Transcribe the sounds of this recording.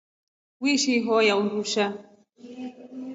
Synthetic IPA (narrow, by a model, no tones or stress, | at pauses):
wiʃiɦɔjaunduʃa